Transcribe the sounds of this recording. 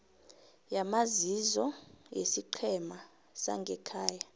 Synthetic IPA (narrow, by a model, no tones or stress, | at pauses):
jamazizɔjesiǃʰɛma | sa̰ŋɡʱɛkʰaːja